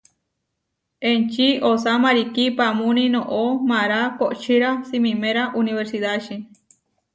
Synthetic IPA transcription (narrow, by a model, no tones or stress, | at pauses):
ent͡ʃiosamaɾikipamũnĩnõʔomãɾakoʔt͡ʃiɾasimĩmeɾaʔuniβeɾsiðaʃi